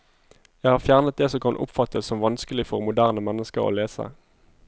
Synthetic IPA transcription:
jæɪhɑːʁfjæːʁnət̪̚d̪eːsɔkʰɑnʔʊ̰pfɑt̪ʰəssɔmʋɑnskəlɪfɔʁmʊd̪æʁnəmɛnːəskəʁo̰ːleːsə̰

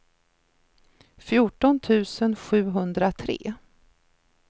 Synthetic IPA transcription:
fjuʈɔnt̪ʰʉ̟ːsənɧʉ̟ːɦɵnd̪ɾat̪ʰɾḛː

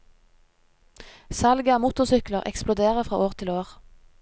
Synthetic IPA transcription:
sɑlɡɑmut̪ʊʁsʏkləʁɛ̰ksplʊd̪eːʁəfʁɑ̰ːʔoːʁt̪ʰɪloːʁ

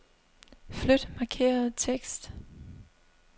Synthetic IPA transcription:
flød̥mɑ̈kʰe̝̰ːɐð̩ˠt͡sʰeɡ̥sd̥

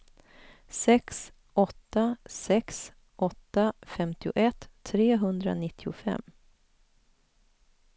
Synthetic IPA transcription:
sɛks | ʔɔt̪ːasɛks | ʔɔt̪ːafɛmt̪ɪʊ̰ʔɛt̪ʰːɾeːɦɵnd̪ɾa̰nɪt̪ʰːɪʊfɛ̰mː

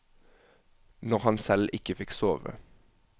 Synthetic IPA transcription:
nɔʁhɑnsɛlʔɪkəfɪksoːʋə̰

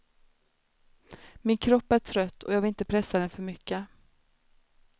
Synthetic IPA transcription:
mɪnkʰɾɔpːæʈʰɾœt̪ːɔ̰jɑːɡvɪlɪnt̪əpʰɾɛsːad̪ɛnfœɾmʏkːə

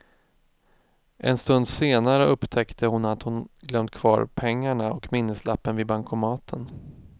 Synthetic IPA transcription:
ʔɛ̰nst̪ɵnd̪seːnaɾəɵpːt̪ʰɛkt̪ʰəhʊnat̪hʊnɡlœmt̪̚kʰv̥ɑ̰ːɾpʰɛŋːaɳaɔkmɪnːəslapːənvɪbaŋkʰʊmɑːt̪ʰən

